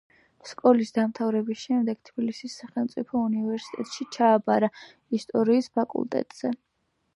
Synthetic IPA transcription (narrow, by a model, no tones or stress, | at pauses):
skʼɔlisd̪amt̪ʰavɾɛbisʃɛmd̪ɛɡ̥̚t̪ʰbilisisːaχɛlˠmt̪sʼipʰɔunivɛɾsi̥t̪ʼɛt̪ʼʃit͡ʃʰaːbaɾa | ist̪ʼɔɾiːspʰakʼṵlˠt̪ʼɛ̰t̪ʼz̥ɛ